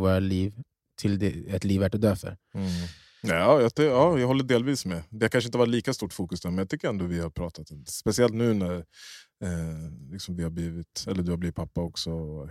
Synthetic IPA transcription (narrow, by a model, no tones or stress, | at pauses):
voːɾaliːv | t̪ʰɪld̪ɛɛt̪liːvæʈɔd̪øːfœ̰ɾ | ɑːjɑt̪jɑːjɑɡɦɔlːəɖeːlviːsmɛd̪ɛhaɾkanʂəɪnt̪əhvaʈ̪̬liːkast̪uːʈfuːkɵsd̪æɾmɛnjɑt̪ʏkːəɾɛnd̪ovɪhaɾpʰɾɑːt̪at̪ɔmd̪ɛspɛsɪɛlt̪nʉ̟ːnæɾ | lɪksɔmvɪhaɾbliːvɪt̪ɛlːəɖɵhabliːvɪt̪pʰapːaɔksɔɔ